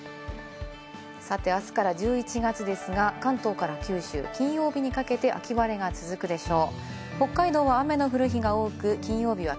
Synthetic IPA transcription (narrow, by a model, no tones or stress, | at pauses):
sat̪e̞asɨ̥kaɾad͡ʑɨːit͡ɕiɡat͡ɕid̪e̞sɨɡakãnt̪o̞ːkaɾakʲɨːɕɨ̰ːkʲĩɰ̃jo̞ːbʲiɲ̟ikake̞t̪e̞ʔa̰kʲiβaɾe̞ɡat͡sɨzɨkɯ̟d̪e̞ɕo̞ː | ho̞kːaid̪o̞ːβaame̞no̞ɸɯ̟ɾɯ̟çiɡao̞ːkɯ̟kʲĩɰ̃jo̞ːbʲiβ̞a